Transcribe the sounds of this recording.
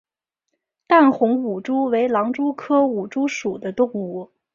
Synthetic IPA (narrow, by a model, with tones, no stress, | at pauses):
t̪a˥˩nxʊ˧˥ŋu˨˩ʈ͡ʂu˥we˧˥ɪlɑ˧˥ŋʈ͡ʂu˥kʰɤ˥u˨˩ʈ͡ʂu˥ʂu˨˩d̪ə˦t̪ʊ˥˩ŋu˨˧˩